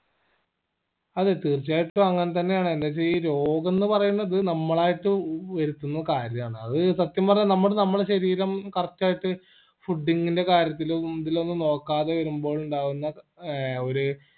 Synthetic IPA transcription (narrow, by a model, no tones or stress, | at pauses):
ɐðet̪iːrt͡ɕːaːjiʈːuɐŋːɐnet̪̬ɐnːe̞jaːɳɨenːet͡ɕejiɾo̞ːɡɐnːɨpɐrɐjunːɐðɨnɐmːɐɭaːjiʈːɨʋɐɾut̪ːunːɐkaːɾjɐmaːɳɨɐðɨsɐt̪jɐmpɐrɐɲːɐnɐmːɐɽnɐmːɐɭɕɐɾiːɾɐmkɐrɐt͡ɕːaːjiʈːɨ | fuɖːiŋːɡinde̞kaːɾjɐt̪̬ːilðilo̞nːɨno̞ːkːaːðeʋɐɾumbo̞ːɭuɳɖaːʋunːɐ | o̞ɾu